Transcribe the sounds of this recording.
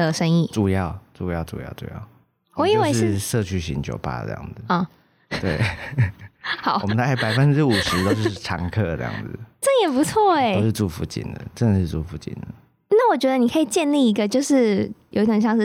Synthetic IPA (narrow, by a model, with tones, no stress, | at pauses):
ə˨ʂə˥ŋi˥˩ʈ͡ʂu˨˩jɑ˥˩ʊʈ͡ʂu˨˩jɑ˥˩ʊʈ͡ʂṵ˨˩jɑ̰˥˩ʊʈ͡ʂṵ˨˩jɑ̰˥˩ʊ | wwɔ˨˦i˨˩˥we˥ɪʂɻɻ̩˥˩ʂɤ˥˧t͡ɕʰy˥˩ɕḭ˧˥ŋt͡ɕjo˨˩ʊpa̰˥˧tə̰˥˧˩jɑ̰˥˩ŋd͡zɨ˨˩ɔ˥˩ | t̪we˥˩ɪ | xɑ˨˦ʊ˨mə˦nə˧˦a˥˩ɪpa˨˩ɪfə˦nʈ͡ʂɻ̩˥u˨˩ʂɻ̩˧˥t̪o˥ʊo˥˩ʈ͡ʂʰɑ̰˧˥ŋkʰɤ˥˧ə̰˧˥jɑ̰˥˩ŋd͡zɨ˩ʈ͡ʂə˥˩njɛ˨˩pu˧˥t͡sʰwɔ˥˩e˩o˦ʊʂɻ̩˥˧ʈ͡ʂu˥˩fu˧˥t͡ɕḭ˨˩nd̪ə̰˨˩ʈ͡ʂə˥nə˨˩ʂɻ̩˥˧t͡su˥˩fu˧˥t͡ɕḭ˨˩nd̪ə˦˩ | na˥˩wɔ˨˩t͡ɕɥɛ˧˥d̪ə˧ni˨˩kʰə˧˥i˨˩t͡ɕjɛ˥˧nli˥˩i˧˥ɡə˧t͡ɕjo˥˧ʊʂɻ̩˥˩jo˨˧i˥t̪o˨˩ɕjɑ˥˧ŋʂ̩˥˩